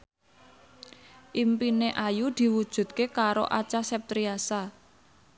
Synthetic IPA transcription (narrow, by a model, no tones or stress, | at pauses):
ʔimpineʔajud̪̥i̤wud̥ʒ̥ṳt̪̚kekaɾo̰ʔat͡ʃasɛp̚t̪ɾiasa